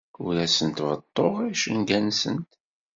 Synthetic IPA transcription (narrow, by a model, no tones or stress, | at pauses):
ʊɾæsənt̪vət̪ˤːoʁæʃənɡænsənt̪